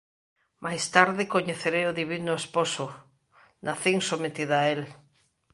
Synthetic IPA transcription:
mʔajst̪aɾðɪkoɲeθeɾeoðiβinʊesposʊ | nʔaθiŋsomet̪iðʊael

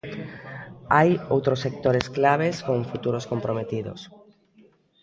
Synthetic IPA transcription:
ajowt̪ɾosːek̚t̪oɾesklaβ̞eskõɱfut̪uɾoskompɾomet̪iðo̰s

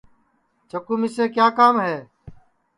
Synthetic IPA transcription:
t͡ʃʰəkuːmiseːkjaːkaːmɦeː

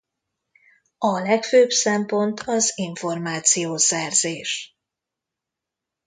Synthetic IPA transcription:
ɒlɛkføːbsɛmpo̞nt̪ʰɒziɱfo̞rmaːt̪sijoːsɛrzeːʃ

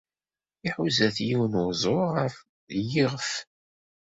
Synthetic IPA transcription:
iħuzæθjiwnʊzˤʊəɾ | jiʁəf

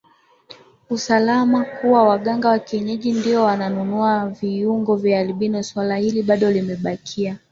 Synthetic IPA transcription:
usalamakuwawaɠaŋɡawakiɛɲɛʄindiɔwananunuaviuŋɡɔvjaaliɓinɔswalahiliɓaɗɔlimɛɓakʰia

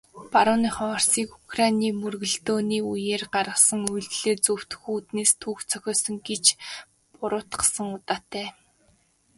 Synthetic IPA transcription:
paɾʊːniːχɔːr̥siːku̥krajniːmɵrɣɵ̆ɮt̪oːniːujeːrɢarʁə̆χsə̆ŋujɮt̪ɮeːt͡sɵw̥t̪xuːt̪neːst̪ʰuːxt͡sʰœxʲɔːsə̆ŋɡet͡ɕ | pʊɾʊːt̪ɢə̥̆sə̆ŋʊt̪aːt̪ːæː

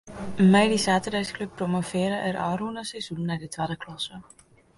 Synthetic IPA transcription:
mɛjdisaːtədɛjskløpːromofɪəɾəʔɛrʔɔːruənəsɛjz̥unːadətʋaːdəklɔsə

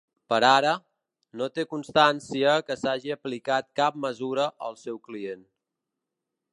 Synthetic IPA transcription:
pəɾaɾə | not̪ekunst̪ansiəkəsaʒiəplikat̪̚kap̚məzuɾəʔəlˠsɛwklien

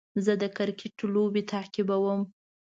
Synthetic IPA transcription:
zəd̪əkaɾkeʈlobet̪ʰakibawəm

